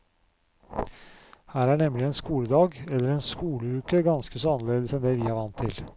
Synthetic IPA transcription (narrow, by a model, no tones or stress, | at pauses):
hæːɾæːɳɛmlɪɛːnskuːləd̪ɑːɡɛlːəɾɛːnskuːləʉːkəɡɑnskəsɔːɑnːəleːd̪əsɛnd̪eːʋiːæːɾʋɑnt̪ʰːɪ̰l